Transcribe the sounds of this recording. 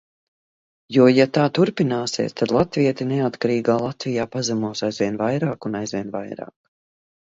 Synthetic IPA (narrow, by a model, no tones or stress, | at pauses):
juɔjat̪aːt̪uɾpinaːsiɛ̰st̪ad̪lˠat̪viɛt̪ineat̪kaɾiːɡaːlˠat̪vijaːpazamuɔsajzviɛnvajɾaːkunajzvʲiɛnvajɾa̰ːk